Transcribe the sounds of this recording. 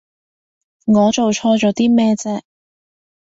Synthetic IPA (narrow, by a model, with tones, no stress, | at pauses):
ŋɔː˨˧t͡so˨wt͡ʃʰɔː˧t͡ʃɔː˨˥t̪iː˥mɛː˥t͡sɛː˧k̚